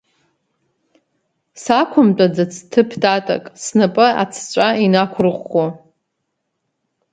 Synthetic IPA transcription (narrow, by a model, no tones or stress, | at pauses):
sakʷʰʊmtʷʼad͡zɨt͡sʰtʰɨpʰdʰʼatʼa̰kʼsnɨpʼɨa̰t͡sʰt͡ɕʷʼainakʷʰʊrʁʷo